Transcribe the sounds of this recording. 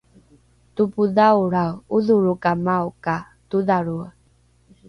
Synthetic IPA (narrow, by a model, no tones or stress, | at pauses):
tupuðauɾauðuɾukamawka | tuðaɾu